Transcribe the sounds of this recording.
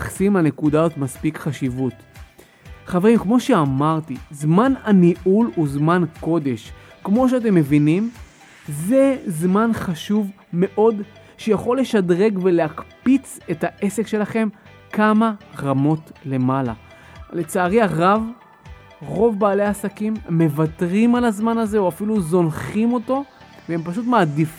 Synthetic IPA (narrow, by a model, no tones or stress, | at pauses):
χsimlane̞kud̪azotmaspikχaʃivut | χave̞ʁimkmo̞ʃe̞amaʁtizmananiʔuluzmanko̞de̞ʃ | kmo̞ʃ̬eat̬e̞mːe̞vinim | zezmanχaʃuv | me̞ʔo̞d | ʃejaχo̞lːe̞ʃadʁe̞ɡve̞leakpit͡se̞taʔe̞sekʃe̞laχe̞m | kamaʁamo̞tle̞mala̰ | le̞t͡saːʁiaʁav | ʁo̞vbaːle̞aasakimːe̞vatʁimalazmanaze̞oafiluzo̞nχimo̞to̞ | veempaʃutmaːdif